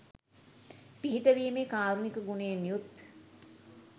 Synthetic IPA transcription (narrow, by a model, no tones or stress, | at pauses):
piɦitəʋiemekaːɾunikəɡuneːmijut̪̚